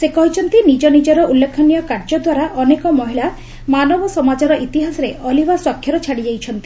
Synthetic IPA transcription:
sekɔɦit͡ʃʰɔnt̪inid͡ʒɔnid͡ʒɔɾɔʔulːekʰɔnijɔkaɾd͡ʒɔd̪waɾaʔɔnekɔmɔɦila | manɔbɔsɔmad͡ʒɔɾɔʔit̪iɦasɔɾeʔɔlibaswɔkʰːjɔɾɔt͡ʃʰaɽid͡ʒajt͡ʃʰɔnt̪i̥

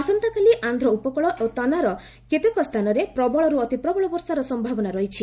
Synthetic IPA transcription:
ɔsɔnt̪akaliʔand̪ʱɾɔupɔkɔɭɔʔot̪ɔnaɾɔ | ket̪ekɔst̪ʰanɔɾepɾɔbɔɭɔɾuɔt̪ipɾɔbɔɭɔbɔɾsaɾɔsɔmbʱabɔnaɾɔɦit͡ʃʰi

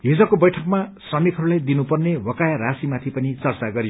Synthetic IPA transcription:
ɦid͡zʌkobʌjʈʰʌkmasrʌmit̪ʰɦʌɾulajd̪inupʌrnewʌkajaɾasimat̪ʰipʌnit͡sʌrt͡saɡʌɾio

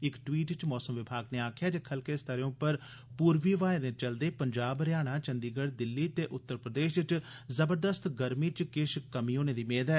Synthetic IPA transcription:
ɪkʈwiːʈt͡ʃmɔːsəmʋɪbʱaːɡneːaːkʰjaːd͡ʒekʰəlkeːst̪əɾõːpəɾ | puːɾʋiːʋaːed̪ẽːt͡ʃəld̪eːpəɲd͡ʒaːbɾɪjaːɽ̃aːt͡ʃə̃nd̪iːɡəɽd̪ɪlːiːt̪eːʔʊt̪ːəɾpɾəd̪eːʃɪt͡ʃ | zəbəɾd̪əst̪ɡəɾmiːt͡ʃkɪʃkəmiːoːneːd̪iːmeːd̪ɛː

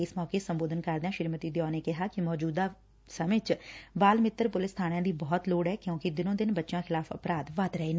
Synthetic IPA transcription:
ɪsmɔːkesə̃mboːd̪ənkəɾd̪eãːʃɪɾmət̪iːd̪ɪjɔːneːkɪɦaːkɪmɔːd͡ʒuːd̪aː | səmeːt͡ʃbaːlmɪt̪ːəɾpʊlɪst̪ʰaːɽ̃jãːd̪iːbɔːt̪loːɽɦɛːkjõːkɪd̪ɪnõːd̪ɪnbətːʃjãːxʰɪlaːfə̰pɾaːd̪ʋat̪ɾəeː

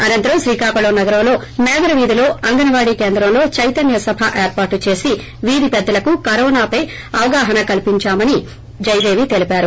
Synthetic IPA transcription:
ɐnɐnt̪ɐɾɐmʃɾiːkaːkɐlɐːnɐɡɐɾɐmlo̞ː | mɛːɡɐɾɐʋiːd̪ilo̞ːɐŋɡɐnɐʋaːɽiːke̞ːnd̪ɾɐmlo̞ːt͡ʃɐjt̪ɐnjɐsɐbʱaʔeːɾpaːʈːut͡ʃe̞ːsi | ʋiːd̪ipɛd̪ːɐlɐkukɐɾɔːnaːpɐj | ɐʋɐɡaːɦɐnɐkɐlipiɲt͡ʃaːmɐni | d͡ʒɐjd̪e̞ːʋit̪e̞lipaːɾu

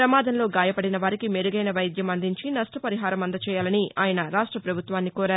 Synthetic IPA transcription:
ɾɐmaːd̪ɐnlo̞ːɡaːjɐpɐɽinɐʋaːɾikimeɾuɡɐjnɐʋɐjd̪ʱjɐmɐnd̪iɲt͡ʃinɐʂʈɾɐpɐɾiɦaːɾɐmɐnd̪ɐt͡ʃɛːjaːlɐniʔaːjɐnɐɾaːʂʈɾɐpɾɐbʱut̪ʋaːnːikoːɾaːɾ

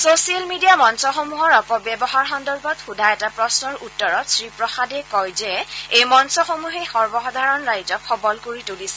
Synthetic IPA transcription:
sosialmidiamɔnsɔxomuɦɔɹɔkɔbjɛbɔɦaɹxɔndɔɹbɔtxudʱajɛtapɹɔsnɔɹutːɔɹɔtsɹipɹɔxadɛkɔjzɛejmɔnsɔxomuɦexɔɹbɔxɔdʱaɹɔnɹajd͡ʒɔkʰɔbɔlkoɹitolisɛ

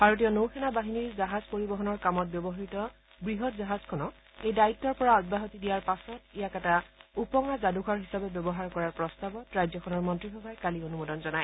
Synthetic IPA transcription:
b̥ʱaɹot̬ijɔnowkʰɛnabaɦiniɹzaɦazpoɹibɔɦɔnɔɹkamɔt̚bjɔbɔɦitɔ | bɹiɦɔtzaɦaz̥kʰɔnɔ | ejdaitːɔɹpɔɹaɔd̚baɦotidijaɹpasɔtijakɛtaupɔŋazaduɡʰʱɔɹɦisabɛbɛbɔɦaɹkɔɹaɹpɹɔstabɔtɹajzɔkʰɔnɔɹmɔntɹixɔbʱajkalionumodɔnzɔnaj

